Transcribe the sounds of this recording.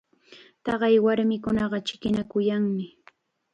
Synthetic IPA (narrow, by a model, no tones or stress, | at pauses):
t̪ɑɢɑjwaɾmɪkʊnɑɢɑt͡ʃɪ̥kɪnakʊjaŋmɪ